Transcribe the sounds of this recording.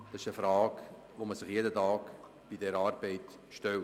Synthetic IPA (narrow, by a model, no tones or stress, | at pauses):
d̥ɑsɪʃəfɾɑːk | ʋoməsɪχjedətɑːk | b̥idɛɾɑːɾbɛɪt | ʃtɛl